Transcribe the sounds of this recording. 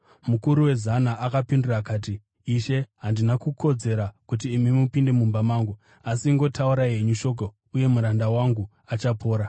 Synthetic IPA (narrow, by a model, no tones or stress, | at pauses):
mukuɾuwe̞zanaʔakapinduraːkaːt̬iː | ʃe̞ɦandinakukʰo̞d͡ze̞ɾakut̬iːmimupinde̞mumbamaːŋɡu | asiːŋɡo̞tauɾaeɲuʃo̞k̬o | uje̞muɾandawaŋɡu | at͡ʃapʰo̞ːɾa